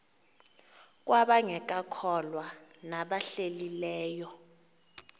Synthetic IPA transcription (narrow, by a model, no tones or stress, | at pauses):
k̬ʼwaɓaŋɛk̬ʼakʰɔlwanaɓaɬelilɛːjɔ